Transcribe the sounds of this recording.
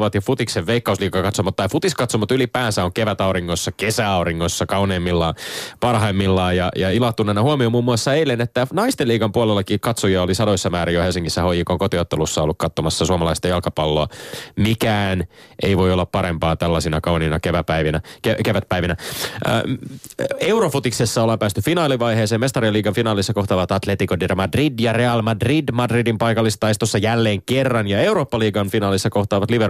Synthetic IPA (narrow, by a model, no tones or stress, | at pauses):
ʋɑt̪jɑfut̪ikseʋʋeikːɑusliːkɑkɑt̪somɑt̪ːɑifut̪iskɑt̪somɑt̪ylipæːsæoŋkeʋæt̪ɑuɾiŋːosːɑkesæɑuɾiŋːosːɑkɑwneːmːilːɑːpɑrɦɑimːilːɑːjɑjɑilɑht̪ːunenɑhuomiomuːmːuɑsːɑeilːenːet̪ːænɑist̪eliːkɑmpuolelːɑkikɑt̪sojɑolisɑdoisːɑmæːɾijohelsiŋkisːæhojikoŋkot̪iot̪ːelusːɑolːukkɑt̪ːomɑsːɑsuomɑlɑist̪ɑjɑlkɑpɑlːoɑmikæːnʔeiʋo̞jolːɑppɑɾempɑːt̪ælːɑsinɑkɑuninɑkeʋæpæiʋinækekeʋæt̪̚pæiʋinæ̰ | e̞wɾofut̪iksesːɑolːɑmpæːst̪yfinɑːliʋɑjheːseːmest̪ɑɾriɑliːɡɑnfinɑːlisːɑkoht̪ɑːʋɑt̪ɑt̪let̪ikodermɑdridjɑre̞ɑlmɑdridmɑdridimpɑjkɑlːist̪ɑist̪osːɑjælːe̞ːŋkerːɑnjɑe̞wɾoːpːɑliːɡɑnfinɑːlisːɑko̞ht̪ɑːʋɑt̪liʋer